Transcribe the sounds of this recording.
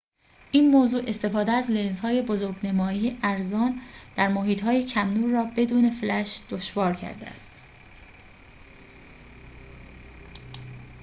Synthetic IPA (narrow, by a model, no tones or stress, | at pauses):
ʔiːnmoːzuːʔe̞st̪e̞fɒːd̪eæzlenzhɒːje̞bozoɾɡnemɒːiːjeʔæɾzɒːnd̪̥æɾmoɦiːt̪hɒːjecʰæmnuːɾːɒːbe̞d̪uːne̞flæʃd̪̥o̞ʃvɒːɾcʰæ̰ɾd̪ḛæ̰st̪